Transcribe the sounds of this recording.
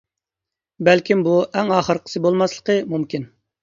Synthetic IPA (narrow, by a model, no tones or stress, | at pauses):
bɛlkʲimbuʔɛŋɑːχəɾqʰə̥sɨbolˠmɑslˠə̥qəmumkʲin